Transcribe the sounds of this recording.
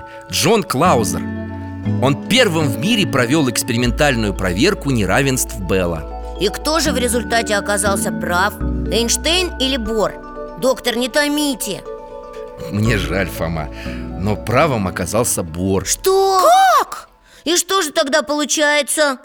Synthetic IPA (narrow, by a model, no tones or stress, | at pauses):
ʐo̞nklˠaʊzʲə̰r | o̞npʲe̞rvɨmvmʲiɾʲɪpɾɐvʲo̞lˠɪkspʲɪɾʲɪmʲɪnt̪alʲnʊjʊpɾɐvʲe̞rkʊnʲɪɾavʲɪnst̪fbɛlˠə̰ | ikt̪o̞ʐɨvɾʲɪzʊlʲt̪atʲɪɐkɐzɑlˠsʲəpɾafɛnʂt̪ejnilʲɪbor | d̪o̞kt̪ərnʲɪt̪ɐmʲitʲɪ | mnʲe̞ʐa̰lʲfɐ̰ma̰no̞pɾavɨmɐkazalˠsʲəborʂt̪ok | iʂt̪o̞ʐɨt̪ɐɡd̪apəlˠʊt͡ɕæjɪt̪sə